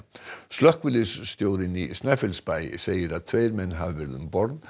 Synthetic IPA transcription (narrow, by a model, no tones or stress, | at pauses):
slœhkvɪlɪsːt̪joːwðɪnisnafɪlspaj̰seːjɪɾaðt̪ʰveɪɾmɛnːɦavvɛɾðʏ̰mbɔɾð